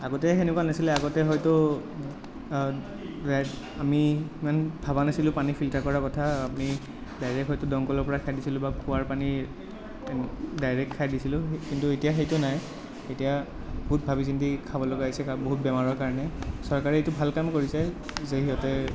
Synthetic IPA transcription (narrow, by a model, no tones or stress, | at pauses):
aɡɔtɛxenɛkwanasilɛaɡɔtɛɦɔjtɔ | a | amimanbʱaβanasilʊ̃panipʰiltaɹkɔɹakɔtʰaapni | dajɹɛkɦɔjtʊdɔŋkɔlɔɹpɔɹakʰajdisilʊ̃bakuwaɹpani | dajɹɛkʰːajdisilʊ̃kintuetijaxejtʊnaj | etija | bɔut̚bʱabisintikʰabɔlɔɡaɦisɛkaboɦut̚bɛmaɹɔɹkaɹɔnɛsɔɹkaɹɛetʊbʱalkamkoɹisazeɦiɔtɛ